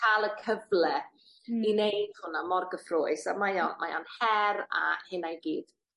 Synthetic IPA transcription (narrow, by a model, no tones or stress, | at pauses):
kʰalˠəkʰəvlɛ | inejd̥hʊnamɔrɡəfroːɨsamajɔnmʔa̰jɔ̰nhɛra̰hɪnajɡiːd̥